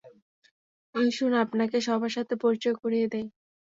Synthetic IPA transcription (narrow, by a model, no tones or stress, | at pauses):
eʃunapnakeʃɔbʱaʃat̪ʰepɔɾt͡ɕoekoɾijed̪ɛj